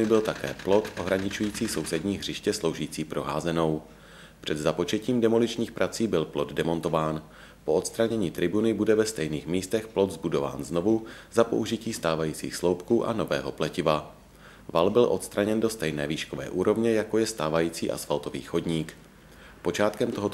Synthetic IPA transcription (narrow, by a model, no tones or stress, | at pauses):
ɪbɪlt̪akɛ̰ːplo̞t̪ʔo̞ɦɾaɲɪt͡ʃujiːt͡siːso̞wsɛdɲiːɦr̝ɪʃcɛslo̞wʒiːt͡siːpɾo̞ɦaːzɛno̞w | pr̥ɛd̪zapo̞t͡ʃɛciːmdɛmolɪt͡ʃɲiːxpɾʔat͡siːbɪlplo̞d̪dɛmo̞nt̪o̞vaːn | po̞ʔot̪st̪ɾaɲɛɲiːt̪ɾɪbunɪbudɛvɛst̪ɛjniːxmiːst̪ɛxplo̞t̪zbudo̞va̰ːnzno̞vuzapoʔuʒɪciːst̪aːvajiːt͡sḭːxslowpkuːʔa̰no̞vɛ̰ːɦo̞plɛcɪva | valbɪlʔo̞t̪st̪ɾaɲɛndo̞st̪ɛjnɛ̰ːviːʃkovɛ̰ːʔuːɾo̞vɲɛjako̞jɛst̪aːvajiːt͡sḭːʔa̰sfalt̪ovḭːxo̞dɲiːk | po̞t͡ʃaːt̪kɛmt̪oɦot̪